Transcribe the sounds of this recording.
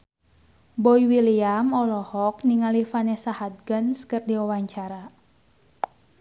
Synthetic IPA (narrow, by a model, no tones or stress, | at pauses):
bɔiwiliamɔlɔhɔk̚niŋalifanɛsahad̪̚ɡənskɨrdiɔwaɲt͡ʃaɾa